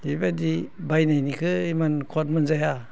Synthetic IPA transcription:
ibadibajnajnikʰɯimankʰot̚mɯnzaja

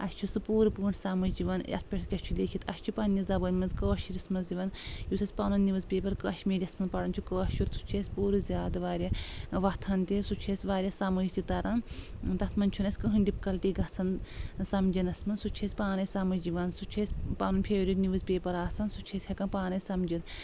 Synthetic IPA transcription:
ɐst͡ʃʰusɨpuːɾɨpuːɳsamɐd͡ʒiʋɐnɐ̰spʲeʈʰkʲɐst͡ʃʰulʲeːkʰit̪ɐ̰ʃʲt͡ʃʰupɐnʲːizɐbɐnʲmɐnzkəːɐʃiɾismɐnziʋɐnjusʰɐsʲpaːnunːiʋɨzpʲeːpɐɾkəɐʃmeːɾʲɐsmɐnpɐɽɐnt͡ʃʰukəːɐst͡ʃʰuɾsʰu̥t͡ʃʰeːsʲpuːɾɨzʲjaːd̪ɨʋaːɾʲɐʋɐt̪ʰɐnt̪isut͡ʃʰeːsʲʋaːɾʲjasɐmɐit̪it̪ɐɾʔɐn | t̪ɐt̪ʰmɐnt͡ʃʰunɐsʲkəɦɨɳɖʲipkɐlʈiɡɐt͡sʰɐnsɐmd͡ʒɐnɐsmɐnsut͡ʃʰesʲpaːnɐjsɐmɐd͡ʒiʋaːnsut͡ʃʰesʲpaːnunpʰʲeːʋɾʲit̪niʋɨzpʲeːpɐɾaːsɐnsut͡ʃʰesʲhʲekɐnpaːnɐjsɐmd͡ʒit̪

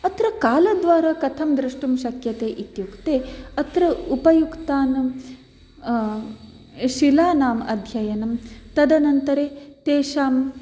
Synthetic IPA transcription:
ɐt̪ɾɐkaːlɐd̪ʋaːɾaːkɐt̪ʰɐmd̪ɾiʂʈumʃɐkjɐt̪eːʔit̪jukt̪eːɐt̪ɾɐupɐjukt̪aːn | ʃilaːnaːmɐ̰d̪ʱjɐjɐnɐmt̪ɐd̪ɐnɐnt̪ɐɾeːt̪eːʃaːm

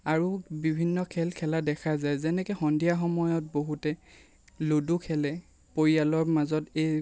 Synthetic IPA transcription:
aɹubibʱinːɔkʰɛlkʰɛladɛkʰazajzɛnɛkɛxɔndijaxɔmɔjɔt̚boɦutɛ | lodukʰɛlɛ | poɹijalɔɹmazɔtej

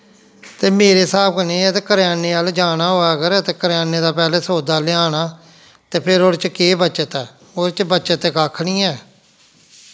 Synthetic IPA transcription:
t̪eːmeːɾeːsaːb̚kəneːɛt̪eːkəɾjaːneːəld͡ʒaːnaːɦoːaːkəɾɛːt̪eːkəɾjaːneːd̪aːpɛːleːsoːd̪aːlɪaːnaː | t̪eːpʰɪɾoɾt͡ʃkeːbətːt͡ʃət̪ɛː | oːɾt͡ʃbətːt͡ʃət̪ɛːkaːkʰɽiːɛː

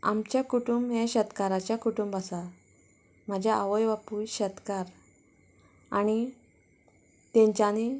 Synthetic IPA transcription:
a̰mt͡ɕjakuʈumbɦɛ̃ɕət̪kaɾat͡ɕjakuʈumbəsa | m̤əd͡ʑʱjaaʋəjʋapuːjɕət̪kaɾ | añi | t̪ɛ̃ɲt͡ɕani

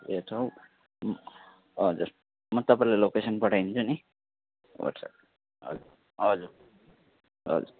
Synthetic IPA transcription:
eʈʰaw | m | ɦʌd͡zuɾ | mʌt̪ʌpãlelokesʌnpʌʈʰajnt͡sʰuni | wɔ̰ʈsa̰ | ɦʌ̰u | ɦʌd͡zuɾ | ɦʌ̰d͡zṵɾ

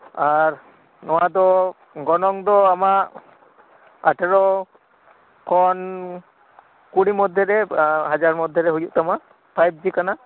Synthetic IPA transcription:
aɾ | nɔwad̪ɔ | ɡɔnɔŋd̪ɔamaʔ | aʈʰɛɾɔ | kɔn | kuɽimɔd̪ʱːɔɾɛɦad͡ʒaɾmɔd̪ʱːjɛɾɛɦujuʔt̪ama | pʰajb̚d͡ʒikana

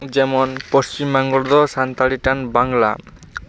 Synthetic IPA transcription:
d͡ʑɛmonpost͡ɕimːaŋɡoɭd̪ɔsant̪aɭiʈanbaŋla̰

